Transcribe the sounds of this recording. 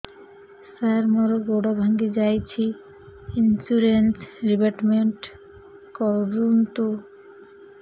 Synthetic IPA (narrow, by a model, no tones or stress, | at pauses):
saɾmɔɾoɡoɖabʱaŋɡed͡ʑajt͡ɕʰi | insuɾensɾibaʈmeɳʈ | kɔɾunt̪o